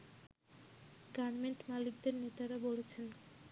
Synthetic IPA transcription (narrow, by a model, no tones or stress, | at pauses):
ɡaɾmeɳʈmalik̚d̪eɾnet̪aɾaboɽet͡ɕʰen